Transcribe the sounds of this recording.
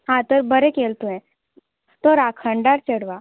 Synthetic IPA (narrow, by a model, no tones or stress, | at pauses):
ɦãt̪əɾbʱəɾekeːlt̪uɦɛ̃ | t̪oɾakʰə̃ɳɖaɾt͡ʃəɽʋa